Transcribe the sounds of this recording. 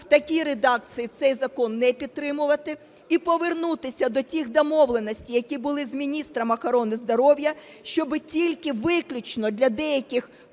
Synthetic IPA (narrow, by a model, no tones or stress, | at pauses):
wt̪ɐkʲiɾed̪ɑk̚t͡sʲijit̪sɛjzɐkɔnːɛpʲid̪̚t̪ɾɪmʊʋɐt̪ɪ | ipɔʋernut̪ɪsʲɐd̪ɔtʲixd̪ɔmɔʋlˠenɔsʲtʲijɐkʲibʊlˠɪzmʲinʲist̪ɾɐmɐxɐɾɔnɪzd̪ɔɾɔwjɐ | ʃt͡ʃɔbɪtʲilʲkɪʋɪklʲʊt͡ʃnɔd̪ʲlʲɐd̪ɛjɐkʲɪx